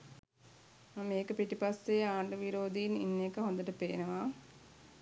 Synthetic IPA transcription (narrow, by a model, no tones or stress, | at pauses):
meːkəpiʈipasːeaːɳɖəʋiɾoːd̪iinḭnːekəɦõnd̪əʈəpeːnəʋa